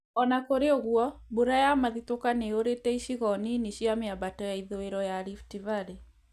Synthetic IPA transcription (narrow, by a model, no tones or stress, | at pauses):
ɔnakoɾeoɣwɔbuɾajamaðitokaneoɾetɛiʃiɣɔniniɕiameabatɔjaiðoeɾɔjaɾiftivaɾe